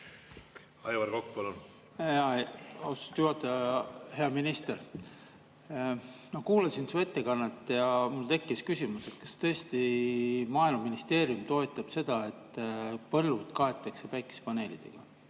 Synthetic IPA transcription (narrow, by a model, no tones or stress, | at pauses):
ɑjvɑɾkokpɑlun | hɑɑst̪juɦɑt̪ːˑɑɑheɑminist̪er | mɑkuːlɑsinsvet̪ːˑekɑnːɑt̪ːˑjɑmult̪e̞kːˑiskysʲimuset̪̚kɑ̥st̪ɤest̪imɑːilmɑminist̪e̞ːɾiumt̪o̞et̪ːˑɑb̥se̞d̪̥ɑe̞t̪ːpɤlːut̪kɑe̞t̪ːˑɑkse̞pæjkːˑi̥spɑne̞ːlid̪̥e̞̰ɡ̥ɑ